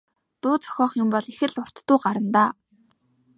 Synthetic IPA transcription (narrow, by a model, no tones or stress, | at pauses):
t̪ʊːt͡sɔ̥xʲɔːχjʊmpɔɮexɘ̆ɮʊr̥t̪ːʊːɢaɾə̆nt̪aː